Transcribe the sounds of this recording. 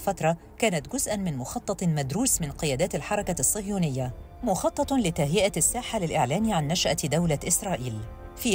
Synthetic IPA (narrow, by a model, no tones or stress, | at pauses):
fat̪ɾˤɑ | kaːnat̪ɡʊzʔanmɪnmʊxɑt̪ˤːɑt̪ˤmad̪ɾuːsmɪnqɪjaːd̪aːt̪alħɑɾˤɑkasˤːɨvjuːnɪjːa | mʊxɑt̪ˤːɑt̪ˤlɪt̪aɦjɪʔasːaːħalɪlʔɪʕlaːnʕanːaʃʔad̪awlaʔɪsɾˤɑːʔiːl | fiː